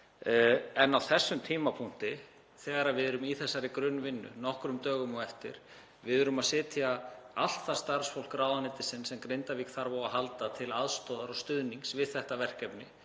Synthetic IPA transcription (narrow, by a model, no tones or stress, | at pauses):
ɛnawθɛsːʏmt̪ʰiːmapʰun̥t̪ɪ | θɛːɣaɾavɪðɛɾʏmiθɛsːaɾɪkɾʏnːvɪnːʏ̰nɔhkɾʏmt̪œːɣʏmɔɛft̪ɪ̰ɾ̥ | vɪðʏɾʏmaðsɛːt̪ʰjaal̥t̪θḁst̪aɾ̥sfowl̥kɾaːwðanɪt̪ɪsɪnsɛmkɾejnt̪avikθaɾvawaɦalt̪at̪ʰɪlaðst̪ɔːðaɾɔst̪ʏðniŋksvɪðθɛht̪avɛr̥cɛpnɪ